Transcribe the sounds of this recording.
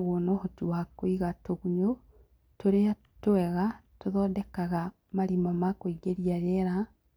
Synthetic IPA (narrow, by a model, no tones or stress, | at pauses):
ɣonohotuwakoiɣatoɣuɲo | toɾea | toɛɣa | toðɔːdɛkaɣa | maɾimɔmakoiɡeɾiaɣɛɾa